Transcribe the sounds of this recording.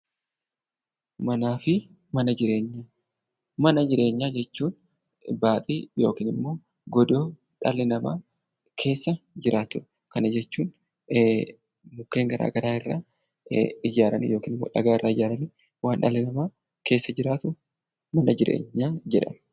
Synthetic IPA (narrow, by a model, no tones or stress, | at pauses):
mɐnaːfɪ | mɐnɐd͡ʒɪɾe̞ːɲːaː | mɐnɐd͡ʒɪɾʔe̞ːɲːaːd͡ʒɛt͡ʃːuːn | baːt̪ʼiːjo̞ːkiːnɪmːo̞ː | ɡɔd̪o̞ː | ᶑɐ̰lːɪnɐmaː | kʰe̞ːsːɐd͡ʒɪɾʔaːt̪ʊ | kɐnɐd͡ʒɛt͡ʃːuːn | mʊkːeːŋɡɐɾa̰ːɡɐɾaːɪrːa̰ː | ɪd͡ʒaːɾɐnḭjo̞ːkiːnɪmːo̰ːᶑɐ̰ɡaːɪrːaːɪd͡ʒaːɾɐni | waːnᶑɐlɪnɐmaː | ke̞ːsːɐd͡ʒɪɾaːt̪ʊ | mɐnɐd͡ʒɪɾḛːɲːaːd͡ʒɛᶑɐ̰m